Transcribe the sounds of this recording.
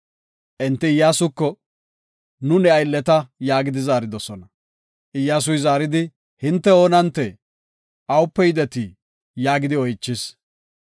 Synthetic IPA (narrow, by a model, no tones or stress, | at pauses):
ʔɪnt̪ːɪɪjːaːsʊkːɔ | nʊnɛɐjlːɛt̪ɐjaːɡɪd̪ɪzaːɾɪd̪ɔsɔnɐ | ʔɪjːaːs̬ʊjzaːɾɪd̪ɪ | hɪnt̪ːɛo̞ːnɐnt̪ːɛ | ʔɐwʊpːɛjɪd̪ɛt̪i | jaːɡɪd̪ɪɔjt͡ʃːɪs